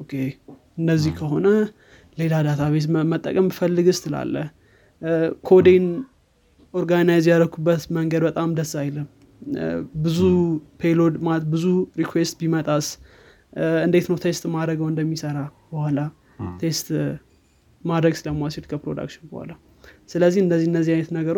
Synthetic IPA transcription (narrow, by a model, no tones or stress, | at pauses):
ʔokʰe | ɨnːəzːihkʰəɦo̞nə | le̞lad̪at̪ʰaβe̞t̪mət̪ʼːə̰kʼəmfəlːɨɡɨst̪ʰɨla̰lːə̰h | kʰo̞d̪en | o̞ɾɡanajzjaɾəkʰubːət̪məŋɡəd̪bət̪ʼamd̪əsajləm | bɨzupʰelo̞d̪mat̪bɨzuɾikʰwest̪bimət̪ʼas | ɨnd̪e̞t̪nəwt̪ʰest̪mad̪ɾəɡəwɨnd̪əmːisəɾabəhala | t̪ʰe̞st̪ | mad̪ɾəɡsɨləməwaset̪kʰəpɾod̪a̰kʃɪnbəha̰la | sɨləzːihɨnd̪əzːihɨndəzːihajnət̪nəɡəɾo